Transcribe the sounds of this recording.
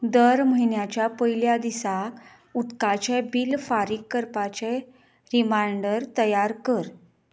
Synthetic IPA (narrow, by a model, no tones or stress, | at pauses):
d̪əɾməɦiɳjat͡ɕjapəjljad̪isak | ut̪kat͡ɕɛbilfaɾikːəɾpat͡ɕe | ɾimaɳɖəɾt̪əjaɾkəɾ